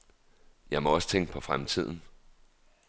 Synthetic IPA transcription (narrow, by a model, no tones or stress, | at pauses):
jɑ̈ɪmɒ̽ɒ̽sə̥t͡sʰeŋ̰ɡ̥ə̥pʰɒ̽fʁamt͡sʰið̞̰ˠn̩